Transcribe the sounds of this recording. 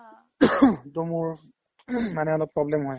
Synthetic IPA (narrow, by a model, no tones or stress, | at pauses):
tomuɹ | manɛɔlok̚pɹɔblɛmɦɔj